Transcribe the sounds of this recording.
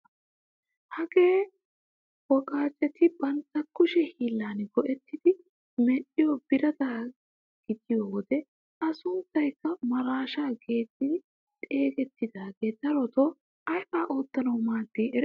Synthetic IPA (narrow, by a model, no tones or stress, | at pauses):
hɐɡe̞ː | wɔkʼaːt͡ʃːɛt̪ɪbɐnt̪ːɐkːʊʃɛhiːlːaːnɡɔʔɛt̪ːɪd̪ɪ | mɛʔɪjɔbɪɾɐt̪aː | ɡ̥ɪd̪ɪjowɔd̪ɛ | ɐsʊnt̪ːɐjkːɐmɐɾaːʃaːɡe̞ːt̪ːɪd̪ | t̪ʼe̞ːɡɛt̪ːɪd̪aːɡe̞ːd̪ɐɾɔt̪oː | ɐjʔaːʔoːt̪ːɐnɐwmaːd̪ːiːɛɾ